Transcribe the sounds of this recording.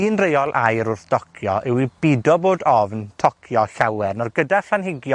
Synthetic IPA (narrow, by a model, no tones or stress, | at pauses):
iːnrejɔlˠʔa̰jɾʊrθd̥ɔkʰjɔ̰ʔɛwib̥ɪdɔboːdɔvntʰɔkʰjɔɬawɛrnɔrɡədaɬanhɪɡjɔ